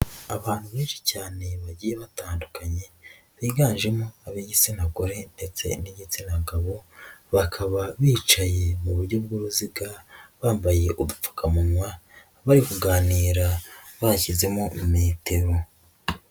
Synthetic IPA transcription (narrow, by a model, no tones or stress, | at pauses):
aβaːn̥huβeːnʃi̥caːne̞βaɟiːjeβataːndukaɲe̞ | βiːɡaːnʒe̞moaβeɟit͡sinaɡoɾe̞nde̞t͡se̞̰niɟit͡sinaɡaβo̞βakʰaβaβiːt͡ʃaje̞muβuɾɟo̞b̚ɡuːɾuziɡaβaːmbaje̞ʔumup͡fu̥kamunwa | βaɾikuɡaːniːɾa | βacize̞momumeːtʰe̞ɾo